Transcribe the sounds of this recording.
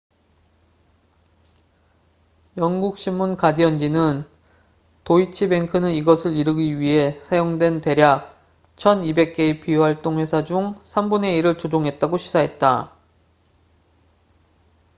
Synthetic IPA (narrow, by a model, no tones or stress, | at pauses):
jʌŋɡuk̚ɕ͈ʰimːunkadiʌnd͡ʑinɯn | toit͡ɕʰibe̞ŋkʰɯnɯniɡʌsʰɯɾiɾɯɡiɥiɦe̞sʰajoŋdwe̞nte̞ɾjak̚ | t͡ɕʰʌnibe̞k̚k͈e̞ipiwaɭt͈oŋwe̞sʰad͡ʑuŋsʰambune̞iɾɯɭt͡ɕod͡ʑoŋɦe̞t̚t͈aɡoɕʰi̥sʰaɦe̞t̚t͈a